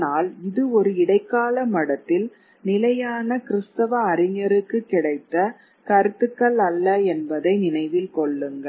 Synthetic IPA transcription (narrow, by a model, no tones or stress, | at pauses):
naːlɪðɯɔɾɯɪɽɐɪkːaːlɐmɐɽɐt̪ːɪl | nɪlɐjaːnɐkɪɾɯst̪ɐʋɐːɾɪɲɐɾɯkːɯkːɪɽɐɪt̪ːɐ | kɐɾɯt̪ːɯkːɐɭɐlːɐɛnbɐðɐɪnɪnɐɪʋɪlkɔɭːɯŋɡɐ